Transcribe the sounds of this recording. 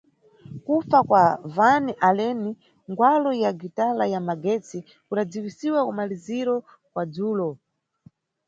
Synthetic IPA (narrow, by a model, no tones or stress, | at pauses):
kufakwavaniʔalɛni | ŋɡwalɔjaɡitalajamaɡɛt͡si | kuɗad͡ziwisiwakumaliziɾɔ | kwad͡zuːlɔ